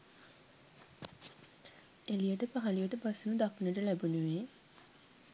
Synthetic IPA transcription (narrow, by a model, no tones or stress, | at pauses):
elijəʈəpaɦalijəʈəpasunud̪aknəʈəlæbunuʋeː